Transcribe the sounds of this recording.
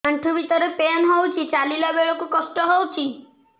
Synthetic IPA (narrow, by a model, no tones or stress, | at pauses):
aɳʈʰɔbit̪ɔɾepeanɦɔwt͡ʃʰit͡ʃalilabeɭɔkukɔsʈɔɦɔwt͡ʃʰi